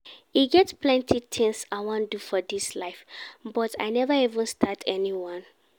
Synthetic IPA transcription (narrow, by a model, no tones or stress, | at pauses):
iɡɛtpʰlɛ̃ntʰit̪ʰɪ̃ŋsaɪwɔ̃ndufɔdislaɪfbɔta̰ɪnɛvəivə̃nstʰatʰɛniwɔ̃n